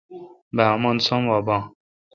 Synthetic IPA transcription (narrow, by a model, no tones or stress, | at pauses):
bamɔnsɔmwabaŋ